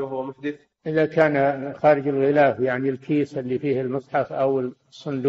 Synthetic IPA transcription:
ɦʊwːamʊħd̪ɪθ | ʔɪðakaːnxaːɾɪd͡ʒɪlɣɪlaːfjaʕnilkiːsɪlːifiːhɪlmɑsˤħɑfʔawɪl | sˤːʊnd̪

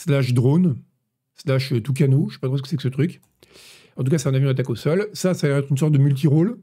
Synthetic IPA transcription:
slaʃd̪ʁon | slaʃøt̪uk̬anoʒ̥ɛ̥pat̪χosəkə̥sɛksət̪χyk | ɑ̃t̪̬ukasɛt̪ɛ̃navjɔ̃d̪at̪akosɔlsasaɛʁɛt̪χyns̬ɔʁt̪̚d̪əmylt̪̬iʁol

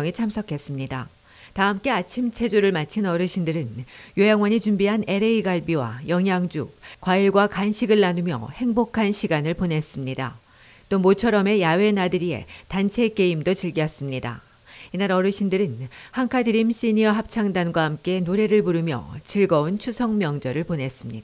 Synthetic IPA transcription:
ŋit͡ɕʰamsʰʌkʰe̞s͈ɯmɲida̰ | taɦɯmk͈e̞at͡ɕʰimt͡ɕʰe̞d͡ʑoɾɯɭmat͡ɕʰinʌɾɯɕʰindɯɾɯnjojaŋwaɲit͡ɕumbiɦane̞ɾe̞iɡaɭbiwa̰jʌŋɦjaŋd͡ʑṵk̚k͈ːwaiɭɡwakanɕʰiɡɯɭːanumjʌ̰he̞ŋbokʰanɕʰiɡanɯɭpone̞s͈ɯmɲida̰ | t͈omot͡ɕʰʌɾʌme̞jawe̞nadɯɾie̞̰tant͡ɕʰe̞k͈e̞imdot͡ɕiɭɡiʌs͈ɯmɲida̰ | inaɾʌɾɯɕʰindɯɾɯnhaŋkʰadɯɾimɕ͈iɲiʌɦap̚t͡ɕʰaŋdanɡwaɦamk͈e̞noɾe̞ɾɯɭpuɾɯmjʌ̰t͡ɕiɭɡʌunt͡ɕʰusʰʌŋmjʌŋd͡ʑʌɾɯɭpone̞s͈ɯmɲida

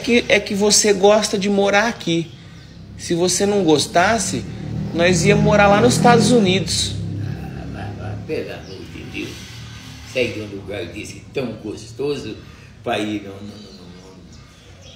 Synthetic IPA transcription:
kɪʔɛkɪvoseɡɔst̪ɐd͡ʒɪmoɾaɾaki | sɪvosenɐ̃w̃ɡost̪asɪnɔjziɐmoɾaɾlanʊzɪst̪ad̪ʊzunid̪ʊsama̰ma̰pela̰moɾd͡ʒɪ̰d̪ḛws | sɛɪd̪õd̪uɡaɾd͡ʒisɪt̪ɐ̃w̃ɡost̪ozʊ | painɐ̃w̃nɐ̃w̃nɐ̃w̃nɐ̃nɐ̃

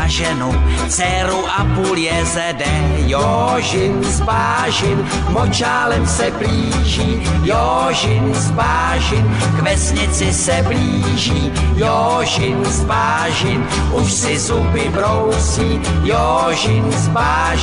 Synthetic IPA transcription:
ʒɛnu | t͡sɛɾuʔapuːljɛzɛdɛjoʒɪnzbaː | ʒɪn | mot͡ʃaːlɛmsɛbliːʒiːjo | ʒɪnzbaː | ʒɪn | kvɛsɲɪt͡sɪsɛbliː | ʒiː | jo | ʒɪnzbaː | ʒɪn | ʔuʃsɪzubɪbɾowsiː | jo | ʒɪnsbaː

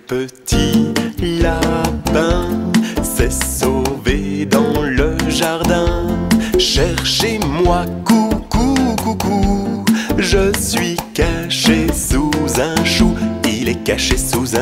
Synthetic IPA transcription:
pət̪ʰilapɛ̃ | sɛsoved̪ɑ̃ləʒaʁd̪ɛ̃ | ʃɛʁʃemwakukukuku | ʒəsɥikaʃesuzɛ̃ʃuilɛkaʃesuzɛ̃

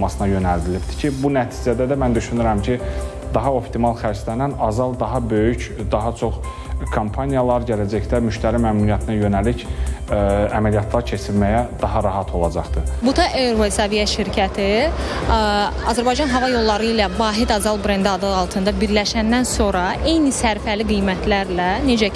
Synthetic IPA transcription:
mɑsɯnɑjø̞næld̪ilipt̪ʰi̥cʰibunæt̪ʰiːd͡ʒæd̪æd̪æmænd̪yʃynyɾæmcʰi | d̪ɑɦɑo̞pt̪ʰimɑlˠxæɾʃlænænɑzɑlˠd̪ɑɦɑbø̞jycd̪ɑɦɑt͡ʃʰo̞χ | kʰompʰɑnijɑlˠɑɾɟælæd͡ʒæçd̪æmyʃt̪æɾimæmnunijæt̪ʰinæjø̞nælic | æmælijɑt̪ʰlˠɑɾcʰe̞t͡ʃʰilmæjæd̪ɑɦɑɾɑɦɑt̪ʰo̞lˠɑd͡ʒɑχd̪ɯbut̪ʰɑʔeɾvesɑvijæʃiɾcʰæt̪ʰi | ɑzæɾbɑjd͡ʒɑnɦɑvɑjo̞lˠːɑɾɯilævɑːɦid̪ɑzɑlˠbɾend̪ɑd̪ɯɑlˠt̪ʰɯnd̪ɑbiɾlæʃænd̪ænso̞ɾɑʔe̞jnisæɾfæliɡijmæt̪ʰlæɾlæned͡ʒæ

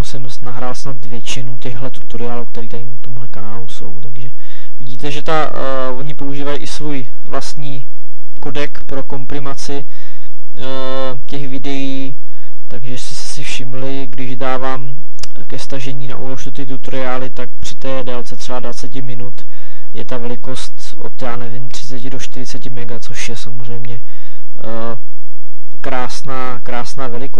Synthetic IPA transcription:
musɛmsnaɦɾaːlsnat̪vjɛt͡ʃɪnucɛɣɦlɛt̪u̥t̪oɾɪaːluk̚t̪ɛɾiːt̪aɾɪnat̪omɦlɛkanaːluso̞̰wt̪aɡʒɛ | vɪɟiːt̪ɛʒɛt̪a | vo̞ɲɪpo̞uʒiːvajiʔɪsvuj | vlast̪ɲiː | kodɛkpɾo̞ko̞mpɾɪmat͡sɪ | cɛxvɪdɛjiː | t̪aɡʒɛst̪ɛsɛ̥sɪfʃɪmlɪ | ɡdɪʒdaːvaːm | kɛst̪aʒɛɲiːna̰ʔṵloʃdot̪ɪt̪ut̪oɾɪaːlɪt̪ak̚pr̥ɪ̥t̪ɛːdalt͡sɛt̪r̥ɛvadvat͡sɛcɪmɪnut̪ | jɛ̰t̪avɛlɪko̞st̪ | ʔo̰t̪jaːnɛvɪmt̪r̥ɪ̥t͡sɛcɪdoʃt̪ɪɾɪt͡sɛcɪmɛɡat͡so̞ʃjɛsamor̝ɛjmɲɛ | kɾaːsnaːkɾaːsnaːvɛlɪko

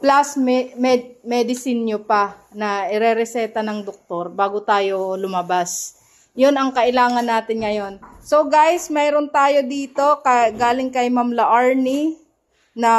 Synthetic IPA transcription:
plasmɛmɛmɛd̪ɪsɪnɲopɐ | nɐʔɪɾɛɾɛsɛːt̪ɐnɐŋd̪ok̚t̪o̞ɾbaːɡot̪aːjo̞lʊmɐbas | jonɐŋkɐʔɪlaːŋɐnːaːt̪ɪnŋɐjo̞nso̞ɡajsmɛːɾont̪aːjo̞d̪iːt̪o̞kɐɡaːlɪŋkɐjmamlɐʔaɹni | nɐ

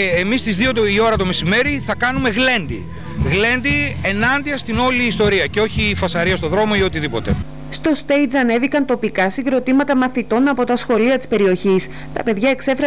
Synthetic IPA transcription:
emist̪izðio̞io̞ɾɐt̪o̞mesime̞ɾiθɐkɐnume̞ɣle̞nd̪i | ɣle̞nd̪ie̞nɐnd̪iɐst̪ino̞liːst̪o̞ɾiɐceo̞çifɐsɐɾiɐst̪o̞ðɾo̞mo̞io̞t̪iðipo̞t̪e̞̰ | st̪o̞st̪e̞jd͡zɐne̞vikɐnt̪o̞pikɐsiŋɡɾo̞t̪imɐt̪ɐmɐθit̪o̞nɐpo̞t̪ɐsxo̞liɐt̪i̥spe̞ɾio̞çis | t̪ɐ̰pe̞ðʝɐe̞kse̞fɾ

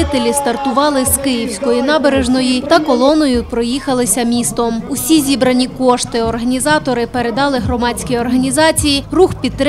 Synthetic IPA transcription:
ɪt̪elʲist̪ɐrt̪ʊʋɑlˠɪzkɪjiwsʲkɔjinɑbeɾeʒnɔjit̪ɐkɔlˠɔnɔjʊpɾɔjixɐlˠɪsʲɐmʲist̪ɔmusʲizʲibɾɐnʲikɔʃt̪ɪɔrɦɐnʲizɑt̪ɔɾɪpeɾe̞d̪ɑlˠɪɦɾɔmɑt͡sʲkʲiɔrɦɐnʲizɑt͡sʲijiruxpʲit̪t̪ːɾ

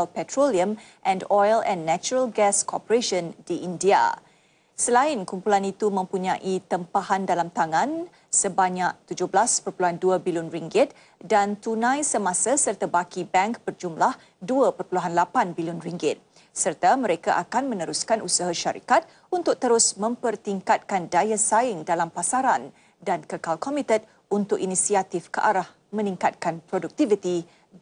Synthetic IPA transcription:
alpɛt̪ɾoliəm | ʔɛ̃ndɔjlɛ̃nːɛt͡ʃuɾəlɡɛskʰɔ̰pəɾeʃəndiʔindia̰ | səlaɪnkumpulanit̪umə̃mpuɲãʔit̪əmpaɦandalamt̪aŋãn | səbaɲaʔ̚t̪ud͡ʒʊhblaspərpuluɦanduabilʊnriŋɡɪt̪̚ | dant̪unãjsəmasasərt̪abakibɛ̃ŋk̚bərd͡ʒumlah | duəpərpuluɦanlapanbilʊnriŋɡɪt̪̚ | sərt̪aməɾekaʔakanmə̃nəɾuskanʔusaɦaʃaɾḭkat̪̚ | unt̪ʊk̚t̪əɾʊsmə̃mpərt̪iŋkat̪̚kandajasaɪŋdalampasaɾan | dankəkalkɔmit̪ət̪̚ | unt̪ʊkinisiat̪ifkəʔaɾah | mə̃niŋkat̪̚kanpɾoduk̚t̪ivit̪i

